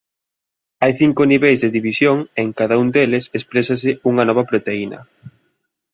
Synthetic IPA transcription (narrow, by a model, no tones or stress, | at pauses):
ajθiŋkoniβejzðeðiβisjoŋeŋkaðaund̪elɪsespɾesas̬ɪuŋɐnɔβɐpɾot̪einɐ̰